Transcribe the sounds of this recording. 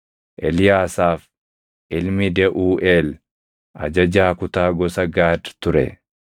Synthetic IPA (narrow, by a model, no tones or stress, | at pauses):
ʔɛlɪjaːsaːf | ʔɪlmɪd̪ɛʔuːʔeːl | ʔɐ̰d͡ʒɐd͡ʒaːkʊt̪aːɡɔsɐɡaːd̪t̪ʊɾɛ̰